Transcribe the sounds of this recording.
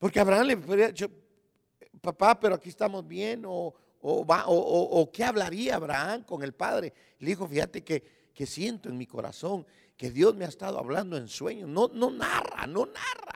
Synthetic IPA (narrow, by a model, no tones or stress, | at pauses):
po̞ɾkeaβɾaanlepɾiaðit͡ʃo | papape̞ɾoakiest̪amo̞zbje̞noː | βaʔoʔʔːke̞aβlaɾiaːβɾaaŋko̞ŋe̞lpa̰ðɾe | leðixo̞fixat̪e̞ke | kesje̞nt̪oeŋmiko̞̰ɾa̰so̞ŋ | ke̞ðjo̞zmeaest̪að̞oa̰βland̪oe̞nswe̞̰ɲosnonona̰ra̰no̞nara